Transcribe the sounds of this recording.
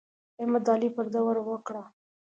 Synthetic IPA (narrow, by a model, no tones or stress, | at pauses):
ɪmad̪ɑlipəɾd̪awaɾwəkɽa